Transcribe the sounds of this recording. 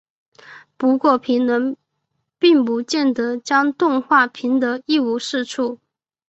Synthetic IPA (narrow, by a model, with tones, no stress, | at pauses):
pu˧˥kwɔ˥˩pʰi˧˥nnwə˧˥n | pi˥˩ŋpu˧˥t͡ɕjɛ˥˩nt̪ɤ˧˥t͡ɕjɑ˥ŋt̪ʊ˥˧ŋxwa˥˩pʰi˧˥nt̪ɤ˧˥i˥˧u˧˥ʂɻ̩˥˧ʈ͡ʂʰu˥˩